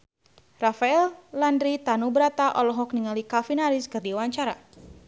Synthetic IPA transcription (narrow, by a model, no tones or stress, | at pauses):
rafaɛlːandɾit̪anubəɾat̪aʔɔlɔɦɔk̚niŋalikafinaɾɪskɨrdiwaɲt͡ʃaɾa